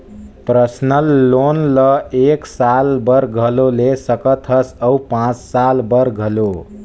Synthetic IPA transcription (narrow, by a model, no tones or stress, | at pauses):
pɾʌsnʌlːonlʌeksalbʌɾɡʱʌlolesʌkʌt̪ʰʌsʌwpãt͡ssalbʌɾɡʱʌlo